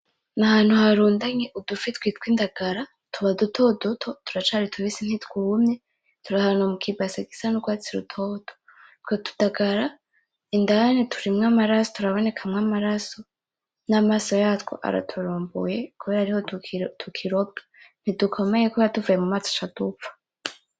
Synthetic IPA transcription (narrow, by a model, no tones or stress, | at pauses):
nahaːn̥huhaɾuːndaɲeʔudufit̪witwiːndaɡaɾa | tuβadutʰodutʰotu̥ɾat͡ʃaɾitʰuβisin̥hitkumɲe | tuɾahanomukʰibasaɡisanuɡwaːt͡siɾutʰoːd̥o̥ | tkwetu̥daɡaɾa | indanitʰuɾimŋamaɾasotuɾaβo̞ne̞kʰamŋaːmaɾaso̞ | namaso̞jaːtko̰ʔa̰ɾa̰tʰuɾuːmbṵjekuβeɾaɾihotʰukʰiɾo̞bi̥n̥idukʰo̞mejekuβeɾatuvajemumat͡so̥t͡ʃadupfḁ